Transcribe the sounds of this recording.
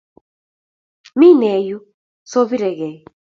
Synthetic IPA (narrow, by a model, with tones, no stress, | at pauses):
mi˦nɛ˨ju˦ | so˦βi˦ɾɛ˨ɣɛ˨j